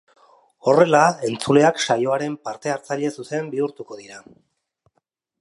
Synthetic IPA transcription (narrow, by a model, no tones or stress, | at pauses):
o̞re̞lae̞nt͡sule̞akʃajo̞aɾe̞mpaɾt̪e̞aɾt͡saʎe̞suse̞mbiuɾt̪uko̞ðiɾa